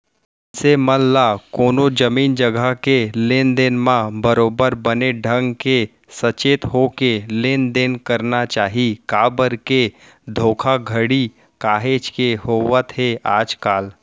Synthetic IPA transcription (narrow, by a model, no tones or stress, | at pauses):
seməllakoːnod͡ʒɐmiːnd͡ʒəɡʱəkeleːnd̪eːnmãbəɾoːbəɾbəneɖʱə̃ŋɡke | sət͡ʃeːt̪ɦokeleːnd̪eːnkɐɾnat͡ʃaːɦikaːbəɾke | d̪ʱoːkʰaɡʱəɽi | kaːɦeːd͡ʒkehoːwət̪ɦeaːd͡ʒkaːl